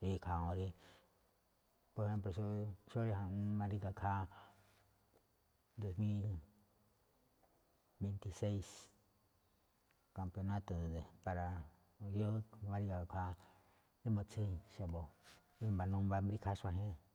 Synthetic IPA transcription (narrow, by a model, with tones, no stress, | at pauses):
i˧kʰa˧õ˧ɾi˧ | po˧ɾe˧he˦mplo˧ʃo˧ʃo˦ɾi˧ɦã˧˦mã˧ɾi˦˧ɡa˧kʰa˦ | d̪o˨smĩ˦l | be˧˨nt̪i˧se˦js | ka˨mpjo˧nã˦t̪o˨dd̪e˨pa˨ɾa˨ | jo˦mã˧ɾi˧ɡa˨a˨kʰa˧ | d̪e˦mõ˧t͡se˦ʃa˧bo˨ | i˧mba˧nũ˧mba˧mɾi˧kʰa˦ʃa˧ɦẽ˦